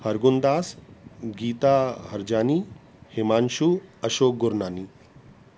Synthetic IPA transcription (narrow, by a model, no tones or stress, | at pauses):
hɐɾɡund̪aːsɡiːt̪aɦɐɾd͡ʒaːni | hemaːnʃuɐʃoːk̚ɡʊɾnaːni